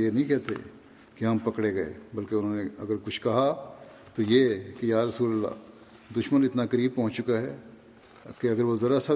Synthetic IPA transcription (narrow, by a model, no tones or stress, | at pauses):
jenɐɦĩkɛɦt̪ʰḛ | keɦɐmpɐkɽeɡɐḛbɐlkeʊnɦõːneɐɡəɾkʊt͡ʃʰkɐɦa | t̪ojekejaːɾɐsuːləlːa̰ː | d̪ʊʃmənɪt̪nakɐɾiːb̚pɔ̃ɦʊ̃nt͡ʃt͡ʃʊkaɦɛː | keɐɡəɾʋozɐɾasɐ